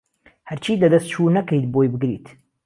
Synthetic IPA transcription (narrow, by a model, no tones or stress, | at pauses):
hɐɾt͡ʃʰiːlɐd̪ɐst̪̚t͡ʃʰuːnɐkejt̪̚bojbɨɡɾḭːt̪